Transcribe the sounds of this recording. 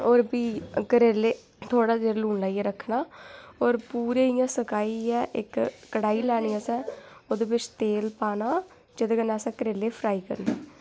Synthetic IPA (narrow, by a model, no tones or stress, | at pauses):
oːɾbiːkəɾeːleː | t̪ʰoːɽaːd͡ʒeːɾluːɳlaːiːɛɾəkʰːnaːoːɾpuːɾeːɪjãːsəkaːiːɛːʔɪ̰kːəɽaːiːlɛːniːasɛ̃ːoːd̪eːbɪt͡ʃt̪eːlpaːnaː | d͡ʒɪd̪eːɡənasɛ̃ːkəɾeːleːpʰɾaːiːkə̰ɾnaː